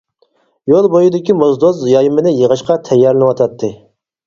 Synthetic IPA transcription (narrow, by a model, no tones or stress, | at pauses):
jolˠbojid̪ɪkʲimozd̪ozjɑjmɪnɪjəʁəʃqɑt̪ʰɛjːɑɾlɪnɨwɑt̪ʰɑt̪ʰːɨ